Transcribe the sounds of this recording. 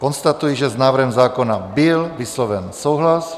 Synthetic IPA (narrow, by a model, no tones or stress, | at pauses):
kɔnst̪at̪ujɛʒɛznaːʋɾ̩ɦɛmzaːkɔnabiɛlʋislɔʋɛnsuːɦlas